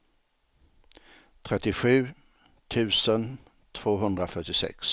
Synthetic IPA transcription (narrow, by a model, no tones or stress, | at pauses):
t̪ʰɾɛt̪ːɪɧʉ̟ː | t̪ʰʉ̟ːsən | t̪ʰv̥oːɦɵnd̪ɾafœʈːɪsɛ̰ks